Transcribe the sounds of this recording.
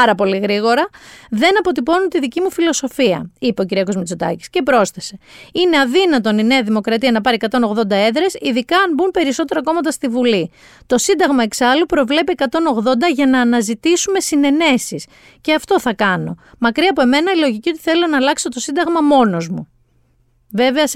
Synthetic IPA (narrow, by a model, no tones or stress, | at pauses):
ɐɾɐpo̞liɣɾiɣo̞ɾɐðe̞nɐpo̞t̪ipo̞nunt̪iðicimufilo̞so̞fiɐ̰ipe̞ociɾiɐkozmit͡sot̪ɐ̰ci̥sce̞pɾo̞sθese̞ine̞ɐðinɐt̪o̞nine̞ɐðimo̞kɾɐt̪iɐnɐpɐɾiekɐt̪o̞no̞ɣðo̞nd̪ɐe̞ðɾe̞siðikɐːnbunpe̞ɾiso̞t̪e̞ɾɐko̞mɐt̪ɐst̪ivuli | t̪o̞sind̪ɐɣmɐe̞ksɐlupɾo̞vle̞piekɐt̪o̞no̞ɣðo̞nd̪ɐʝɐnɐːnɐzit̪isume̞sine̞ne̞sis | ce̞ɐft̪o̞θɐkɐno̞̰mɐkɾiɐpoe̞me̞nɐilo̞ʝicio̞t̪i̥θe̞lo̞nɐːlɐkso̞t̪o̞sind̪ɐɣmɐmo̞no̞zmu | ve̞veɐs